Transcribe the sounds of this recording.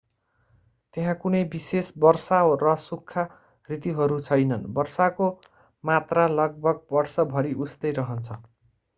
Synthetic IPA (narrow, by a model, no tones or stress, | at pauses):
t̪eɦãkunʌjbisesbʌrsarʌsukʰːa | rit̪iɦʌɾut͡sʰʌjnʌnbʌrsako | mat̪ralʌɡ̚bʱʌɡ̚bʌrsʌbʱʌɾiʔust̪ʌjɾʌɦʌnt͡sʰʌ